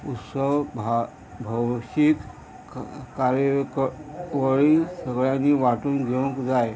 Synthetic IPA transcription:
ut̪səʋ | bʱəʋɕik | kaɾjəkʋəɭiːsəɡɭanːiːʋaʈuːnɡʱeʋə̃kd͡zaj

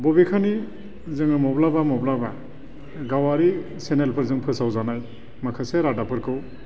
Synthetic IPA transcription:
bɔbikʰani | zɯŋɯmɔblabamɔblaba | ɡawaɾi | senelpʰɯɾzɯŋpʰɯsawzanaj | makʰɯseɾadapʰɯɾkʰɯw

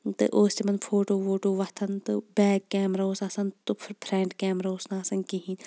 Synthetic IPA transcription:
t̪ɨʔoːsimɐnpʰoːʈoːʋoːʈoːʋɐt̪ʰɐnt̪ɨbɛːɡkːɛːmɾaːosɐsɐnt̪upʰɾẽːɳɖkɛːmɾaoːsnaɐsɐnkiɦĩn

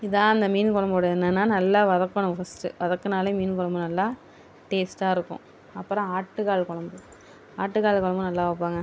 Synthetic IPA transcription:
ɪðãːɐnd̪ɐmiːnkɔɭɐmboːɽɐnːɐnːaːnɐlːaːʋɐðɐkːɐɳʊ̃fɐsʈɯ̰ʋɐðɐkːɯnaːlemiːnkɔɭɐmbɯnɐlːaː | ʈeːsʈaːɪɾɯkːʊ̰̃ | ɐpːɯɾɐ̃aːʈːɯkaːlkɔɭɐmbɯ | aːʈːɯkaːɭkɔɭɐmbɯnɐlːaːʋɐp̬ːaːŋɡɐ

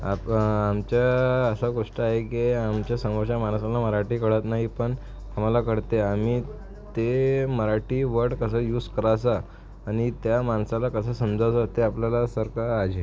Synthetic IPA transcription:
a̰pamt͡ɕjaəsəɡoʂʈəaɦekiamt͡ɕjasəmɔɕamansalaməɾaʈiːkəɽət̪naɦipəɳ | am̤alakəɽt̪eam̤i | t̪eməɾaʈiːʋəɽkəsəjuːskəɾas̬aː | ɽ̃it̪jamansalakəsəːsəmd͡zasat̪eapljalasəɾkaːd͡ʑʱe

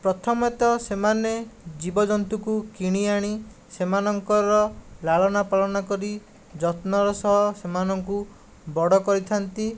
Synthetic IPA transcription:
pɾɔt̪ʰɔmet̪ɔsemaned͡ʒibɔd͡ʒɔnt̪ukukiɽ̃iaɽ̃i | semanɔŋkɔɾɔlaɭɔnapalɔnakɔɾi | d͡ʒɔt̪nɔɾɔsɔɦɔsemanɔŋku | bɔɽɔkɔɾit̪ʰant̪i

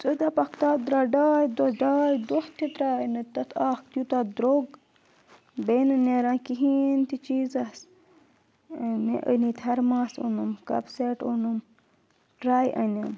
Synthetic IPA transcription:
t͡sʼəd̪ɐpɐkt̪aːd̪ɾɐɖaːjd̪oɖaːjd̪oht̪ʰːit̪ɾaːjnɨt̪ɐt̪ʰaːk̚t̪jut̪ad̪ɾoːɡ | beːnɨneɾãːkiɦiːnt̪it͡ʃiːzɐs | mḛʔə̰nit̪ʰɐɾmãːsunɨmkɐ̰bseʈunum | ʈɾaːjʔɐ̰nɐm

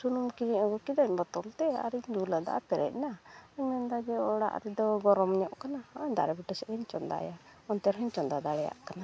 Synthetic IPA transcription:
sunumkiɾiaɡɔkid̪aɲbɔt̪ɔlt̪ɛa̰ɾiɲd͡ʒulad̪a̰ʔa̰p̪ɛɾɛ̰c̚naəɲmɛnd̪ad͡ʒɛɔɽa̰ʔɾɛd̪ɔɡɔɾɔmɲɔʔkanaɔɲd̪aɾɛbiʈɛsɛʔɛɲt͡ʃɔnd̪a̰jaɔnt̪ɛɾɦɛɲt͡ʃɔnd̪ad̪aɽɛja̰ʔkana

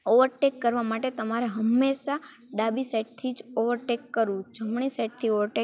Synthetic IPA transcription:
oʋəɾʈekːəɾʋamaʈet̪əmaɾeɦəmːeʃa | ɖabiseʈ̚t̪ʰid͡ʒoʋəɾʈekːəɾũd͡ʒʱəmɳiseʈ̚t̪ʰioʋəɾʈe

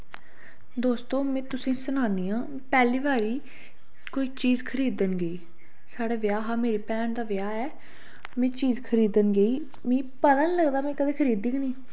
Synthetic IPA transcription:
d̪oːst̪õːmɛ̃ːt̪ʊsĩːsənaːniːãː | pɛːliːʋaːɾiː | koːiːt͡ʃiːzkʰəɾiːd̪ənɡəiː | saːɽeːʋɪjaːɦaːmeːɾiːpɛːnd̪aːʋɪjaːɛː | mɛ̃ːt͡ʃiːzkʰəɾiːd̪ənɡəiː | mẽːpət̪ãːniləɡd̪aːmɛ̃ːkəd̪eːkʰəɾiːd̪iːɡnĩː

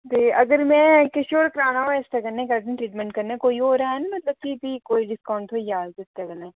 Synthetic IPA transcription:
b̪eːʔɐɡəɾmɛ̃kɐʃoːɾkɾaːnaaɪsʈɐɡɐɾnẽkɐʈẽʈɾiːʈmɛ̃ɳʈkɐɾnekoːiɦoːɾɐɦaɦɛnamɐt̪ləb̚kibʱikoːiɖɪskaːʊ̃ɳɖɦojaːzɪsʈɐɡəneː

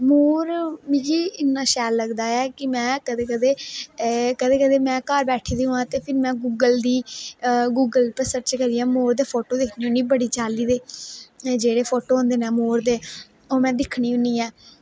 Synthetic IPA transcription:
moːɾmĩːɡiːɪnːãːʃɛːlːəɡd̪aːɛːkɪmɛ̃ːkəd̪eːkəd̪eː | kəd̪eːkəd̪eːmɛ̃ːkaːɾbɛːʈʰiːd̪iːɦũːãːt̪eːpʰɪɾmɛ̃ːɡuːɡəld̪iː | ɡuːɡəlpəsəɾt͡ʃkəɾijãːmoːɾd̪eːpʰoːʈoːd̪ɪkʰniːʊ̃niːbəɽiːt͡ʃaːliːd̪eː | d͡ʒeːɽeːpʰoːʈoːɦõːnd̪eːnɛːmoːɾd̪eː | oːmɛ̃ːd̪ɪkʰːɽiːɦʊniːɛː

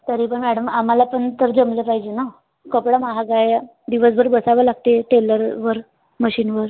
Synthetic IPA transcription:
t̪əɾipəɳmɛɽəmam̤alapəɳt̪əɾd͡zəmlepaɦid͡ʑena | kəpɽamaɦaɡaj | d̪iʋəs̬bʱəɾbəsaʋəːlaɡ̚t̪eʈeləɾʋəɾ | məɕiːnʋəɾ

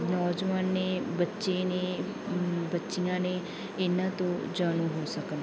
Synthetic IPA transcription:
nɔːd͡ʒʋanːebɐtːʃene | bɐtːʃiãnẽ | eːnat̪od͡ʒaːnuɦosɐkən

